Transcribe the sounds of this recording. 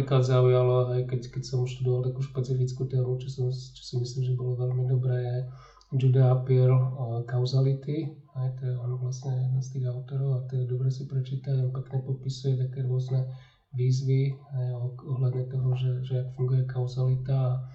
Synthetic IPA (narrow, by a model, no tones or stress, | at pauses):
iklad̪zaujalɔɦɛjkɛckɛcsɔmʃt̪ud̪ɔʋalt̪akuːʃpɛt͡sifit͡skut̪ɛːmut͡ʃɔsɔmt͡ʃɔ̥simisliːmʒɛbɔlɔʋɛlmid̪ɔbɾɛːjɛ | d͡ʒud̪ɛapilkaʊzalit̪i | ɦɛjt̪ɔjɛɔnɔʋlasɲɛjɛd̪nast̪iːɣaʊt̪ɔɾɔʊat̪ɔɛd̪ɔbɾɛsipɾɛt͡ʃiːt̪aɟapɛkɲɛpɔpisujɛt̪akɛːɾʊɔznɛ | ʋiːzʋiɦɛjɔɔɦlad̪ɲɛt̪ɔɦɔʒɛʒɛakfuŋɡujɛkaʊzalit̪aː